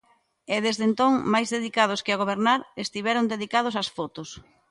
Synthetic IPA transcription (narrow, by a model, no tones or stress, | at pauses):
ɛðezðent̪oŋmajzðeðikað̞ʊskɪaɣ̞oβ̞eɾnaɾest̪iβɛɾond̪eðikað̞osasfɔt̪ʊs